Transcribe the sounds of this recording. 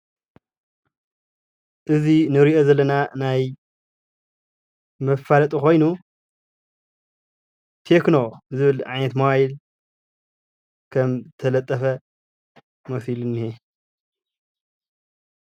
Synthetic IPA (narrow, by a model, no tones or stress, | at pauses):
ʔɨzinɨɾiʔo̞zɐlːɐnanaj | mɐfːalɐt̪ʼuko̞jnu | t̪ʰeknozɨβɨlʕa̰jnɐt̪mowajil | kʰɐmt̪ʰɐlɐt̪ʼːɐfɐ | mɐfilɨnːie